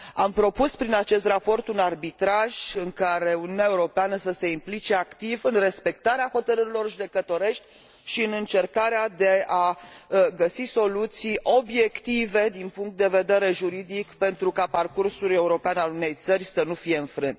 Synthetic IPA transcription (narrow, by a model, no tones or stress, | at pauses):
ampɾo̞puspɾinat͡ʃe̞st̪ɾapo̞rt̪unarbit̪ɾaʒɨŋkaɾe̞uniunʲaeuɾo̞peanəsəse̞implit͡ʃe̞akt̪ivɨnre̞spe̞k̚t̪aɾeaho̞t̪əɾɨɾilo̞rʒud̪e̞kət̪o̞ɾe̞ʃt̪ʲ | ʃiɨnɨnt͡ʃe̞rkaɾead̪e̞a | ɡəsiso̞lut̪sijo̞bje̞kt̪ive̞d̪inpuŋk̚t̪̚d̪eve̞d̪e̞ɾe̞ʒuɾid̪ikpe̞nt̪ɾukaparkursuluje̞uɾo̞peanalune̞jt̪sərʲsənufije̞ɨnfɾɨnd̪